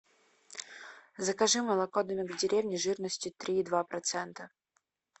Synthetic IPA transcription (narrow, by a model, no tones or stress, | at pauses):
zəkaʐɨməlˠɐkod̪əmʲɪɡdʲɪɾʲevnʲɪʐɨrnəsʲtʲʊt̪ɾʲiːd̪vapɾɐt̪sɛnt̪ə